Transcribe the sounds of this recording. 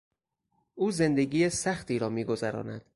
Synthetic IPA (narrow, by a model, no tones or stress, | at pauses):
ʔuːze̞nd̪e̞ɡiːjesæxt̪iːɾɒːmiːɡo̞zæɾɒ̰ːnæ̰d̪̥